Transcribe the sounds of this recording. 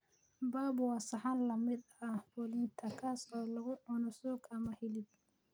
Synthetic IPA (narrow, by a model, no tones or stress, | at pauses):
baːbwɑsɑħɑnlɐmɪd̪ɐbɔlɪnt̪ʰɐkʰaːsɔːlɐɣʊʔɔnɔsɔːɡɐmɐhɪlɪd̪